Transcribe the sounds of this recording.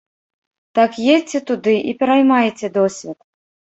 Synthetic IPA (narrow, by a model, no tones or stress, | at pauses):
t̪akjet͡sʲːɛt̪ud̪ɨʔipʲɛɾajmajɛt͡sʲɛd̪ɔsʲvʲɛt̪